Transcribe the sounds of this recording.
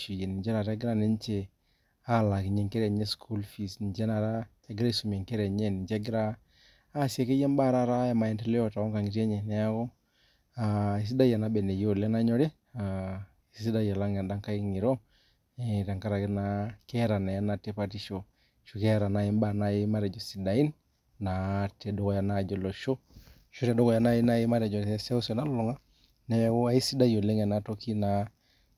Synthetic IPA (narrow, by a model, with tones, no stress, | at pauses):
ʃu˨jɛ˨nɪ˨d͡ʒɛ˦ɾa˨ɾɛ˦ɡɪ˦ɾa˦ne˦ɲt͡ʃe˨ | a˦˨la˨kɪ˨ɲɛ˨ŋkɛ˦ɾɛ˨ɲɛ˦skʰu˦lfi˨sn˨d͡ʒɛ˦na˨ɾa˦ | ɛ˨˦ɡɪ˦ɾa˦i˦su˨m˨ɛ˨ŋkɛ˦ɾɛ˨ɲɛ˦˨nɪ˨d͡ʒɛ˦ɡɪ˦ɾaː˦ | sjɛ˨ke˦jɛ˦mba˦˨ɾa˦ɾa˦ɛ˨ma˨ɛ˨ntɛ˨lɛ˦ɔ˨ta˨ɔ˦ŋka˨ŋɪ˨tɛ˦ɲɛ˨nɛ˦a˦kɔ˦ | a˨i˨s̬i˦da˦ja˨na˦bɛ˨nɛ˨jo˦˨lɛ˦na˦ɲɔ˦ɾe˦ | a˨ | i˦si˦da˦ja˨la˦ŋɛ˨da˦ŋka˦i˦ŋi˨ɾo˦ | ɛ˨ta˨ŋka˦ɾa˨kɛ˦na˦kɛ˦ɾa˨na˨ja˦na˨tɛ˦pa˦ti˦ʃo˨ | ʃu˨kɛ˦ɾa˨na˦i˦mba˨na˦i˦ma˦ɾɛ˨d͡ʒɔ˨si˨da˨i˦n | na˨tɛ˨dɔ˦kɔ˨ja˨na˦˨d͡ʒɔ˨lɔ˨ʃo˦ | ʃu˦tɛ˨dɔ˦kɔ˨ja˨na˦i˦na˦i˦ma˦ɾɛ˨d͡ʒɔ˨sɛ˦sɛ˦u˦sɛ˨na˦llɔ˨ŋa˦ | nɛ˨ja˦ɡɔ˦a˦i˦si˦da˦jo˨lɛ˦ŋɛ˨na˦to˦ki˦na˨